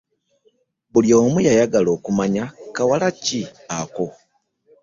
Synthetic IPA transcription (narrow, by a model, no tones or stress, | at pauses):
βuljo̞ːmujajaɡalo̞ːkumaɲakawalaciako̞